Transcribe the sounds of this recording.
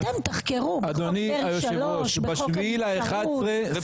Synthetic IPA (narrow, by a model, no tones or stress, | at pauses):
emt̪ɐχkeʁuad̪oniajoʃʃeoʃbbaʃvilaeχad̪ʁe